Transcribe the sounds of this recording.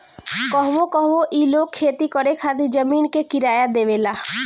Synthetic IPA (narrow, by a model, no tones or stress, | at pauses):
kɔɦʋokɔɦʋoʔiːlokʰːeːt̪ikəɾekʰaːt̪̬id͡ʒəmiːnkekɪɾaːjad̪eːʋeːlaː